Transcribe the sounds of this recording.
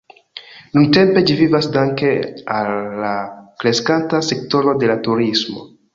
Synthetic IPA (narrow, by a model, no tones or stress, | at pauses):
nunte̞mpe̞d͡ʒivivasdaŋkealːakɾe̞skantase̞k̚to̞ɾo̞de̞latuɾismo̞̰